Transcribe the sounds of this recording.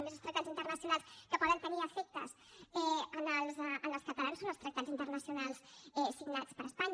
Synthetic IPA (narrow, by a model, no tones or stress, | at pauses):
mezəlst̪ɾək̚t̪azint̪ərnəsiunalˠskəpɔðənt̪əniəfek̚t̪ə̰s | ɛənəlˠzʔənəlˠskət̪əlansonəlst̪ɾək̚t̪azint̪ərnəsiunalˠsɛsiɡnat͡spəɾəspaɲ